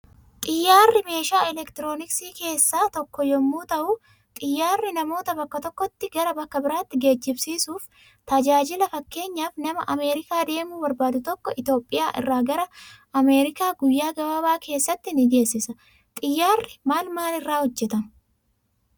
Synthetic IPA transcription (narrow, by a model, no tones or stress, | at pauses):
t̪ʼɪjːaːrːɪme̞ːʃaːɛlɛkt̪ɪɾo̞ːnɪksiːke̞ːsːaːt̪ɔkːɔjɔmːuːt̪ɐʔʊ | t̪ʼɪjːaːrːɪnɐmo̞ːt̪ɐbɐkːɐt̪ɔkːɔt̪ːɪɡɐɾɐbɐkːɐbɪɾaːt̪ːɪɡe̞ːd͡ʒːɪbsiːsuːf | t̪ɐd͡ʒaːd͡ʒɪlɐfɐkːe̞ːɲːaːfnɐmɐ̰ʔɐme̞ːɾɪkaːd̪e̞ːmuːbɐɾbaːd̪ʊt̪ɔkːɔʔɪt̪o̞ːpʼːɪjaːʔɪ̰rːaːɡɐɾɐ | ɐme̞ːɾɪkaːɡʊjːaːɡɐbaːbaːkʰe̞ːsːɐt̪ːɪnɪɡe̞ːsːɪsɐ | t̪ʼɪjːaːrːɪmaːlmaːnɪrːaːhɔd͡ʒːɛt̪ɐn